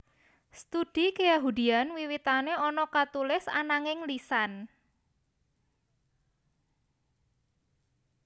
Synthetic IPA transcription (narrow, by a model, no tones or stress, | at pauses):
st̪ud̥i̤kəjaɦudi̤anwiwit̪aneɔnɔkat̪ulɪsa̰naŋɪŋlisan